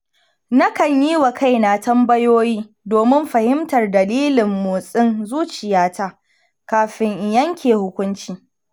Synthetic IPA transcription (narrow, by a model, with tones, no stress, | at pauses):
na˦kɐ˨ɲjiː˦wa˨kʰa˦jna˨tɐ˦mbɐ˦joː˦jiː˦ | doː˨mɪ˦mɸɐ˨hɪ˦mtɐ˨rdɐ˨liː˦lɪ˨mːoː˨sʼɪ˦nzuː˦t͡ʃɪ˨jaː˦taː˦ | kaː˨ɸɪ˦ŋʔɪ˨jɐ˦ŋkʲeː˨hʊ˦kʷʊ˦nt͡ʃiː˨